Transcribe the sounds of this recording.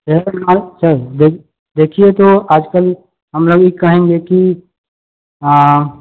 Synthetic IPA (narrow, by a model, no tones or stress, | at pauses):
emasɐɾd̪e | d̪eːkʰiet̪oaːd͡ʒkəl | ɦɐmloːɡɪkːɐɦẽŋɡeki